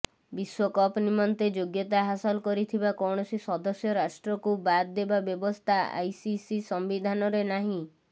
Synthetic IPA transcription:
biswɔkɔpnimɔnt̪ed͡ʒoɡjɔt̪aɦasɔlkɔɾit̪ʰibakɔwɳ̃ɔsisɔd̪ɔsjɔɾasʈɾɔkubad̪d̪ːebabjɔbɔst̪ʰaa̰jsisisɔmbid̪ʱanɔɾenaɦĩ

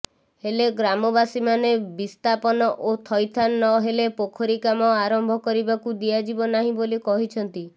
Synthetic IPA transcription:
heleɡɾamɔbasimanebist̪apɔnɔʔot̪ʰɔjt̪ʰanːɔɦelepokʰɔɾikamɔaɾɔmbʱɔkɔɾibakud̪iad͡ʒibɔnaɦĩbolikɔɦit͡ʃʰɔnt̪i

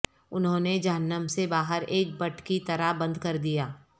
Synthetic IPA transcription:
ʊnɦõːned͡ʒɐɦənːəmsebaːɦəɾeːk̚bɐʈʰkit̪ɐɾabɐ̃nd̪kɐɾd̪ijaː

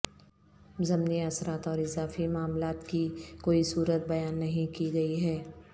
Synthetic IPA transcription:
zɐmniɐsɾaːt̪ɔːɾɪzaːfimaːmlaːt̪kikoːisuːɾət̪̚bɐjaːnːɐɦĩkiɡɐiɦɛː

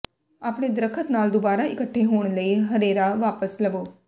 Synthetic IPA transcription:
aːpɽ̃ed̪ɾəkʰət̪naːld̪ʊbaːɾaɪkəʈʰːeɦoːɽ̃ləiɦɐɾeːɾaʋaːpəslɐʋoː

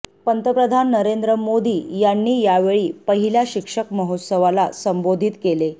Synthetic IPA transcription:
pənt̪əpɾəd̪ʱanːəɾend̪ɾəmod̪iːjanːiːjaʋeɭiːpəɦiljaɕikʂəkməɦot̪səʋala̰səmbod̪ʱit̪kele

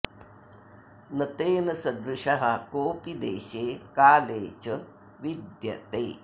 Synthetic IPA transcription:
nɐt̪eːnɐsɐd̪ɾuʃɐɦɐkoːpid̪ḛːʃeːkaːleːd͡ʒɐ | ʋid̪jɐ̰t̪eː

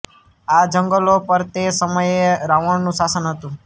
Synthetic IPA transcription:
ad͡ʒə̃ŋɡəlopəɾt̪esəməjeɾaʋəɳnũʃasənɦət̪ũ

